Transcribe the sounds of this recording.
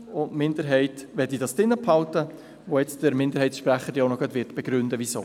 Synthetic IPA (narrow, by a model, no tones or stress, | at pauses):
ʊnmɪnd̪əɾɦɛɪtʋɛdidɑsd̥ɪnːəpʰhɑltə | ʋojɛt͡sd̥əɾmɪnd̪əɾɦhɛɪtsʃpɾæχːədjoʊnɔɡ̥ɑtʋɪtb̥ɛɡ̥ɾʉndəʋiso̰ː